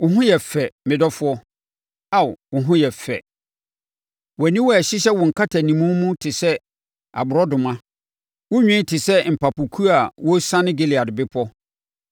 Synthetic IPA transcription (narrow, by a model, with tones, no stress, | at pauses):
wʊ˨ɦʊ̃˦jɛ˨fɛ˨mɪ̃˨dɔ˦fʊ˨˦ɔ˦ | a˦˨wwʊ˨ɦʊ̃˦jɛ˨fɛ̰˨ | wɛ˨nĩ˦wɔ˦ɛ˨ɕɪ˦ɕɛ˦wɔ˨ŋ̩˨kʰa˦tʰa˨nĩ˨mũ˦mũ˦tʰɪ˨sɛ˦ | a̰˨bʊ˨ɾɔ˦dʊ˨mã˦ | wʊ˦ɲᶣĩ˦tʰɪ˨sɛ˦m̩˨pa˨pʊ˨kʰu˦a˨wɔ˦sã˦nɪ̃˦ɡe˦˨lɪ˨a˨dɪ˨bɪ˦pʰɔ˦